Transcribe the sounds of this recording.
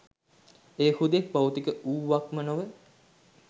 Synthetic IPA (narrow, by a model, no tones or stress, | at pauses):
eːhud̪ek̚bawut̪ikəuːʋakmənoʋə